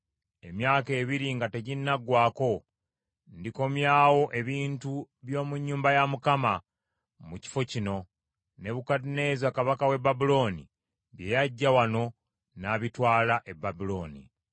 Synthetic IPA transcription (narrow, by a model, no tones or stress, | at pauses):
e̞mjaːke̞ːβiɾiŋɡate̞ɟinːaɡwaːko̞ | ndiko̞mjaːwo̞ʔe̞βiːntu | βjo̞ːmuɲːuːmbajamukama | muci̥fo̞cino̞ | ne̞βukadne̞ːzakaβakawe̞babulo̞ːnḭ | βje̞jaɟːawano̞ | naβitwaːlaʔe̞bːabulo̞ːnḭ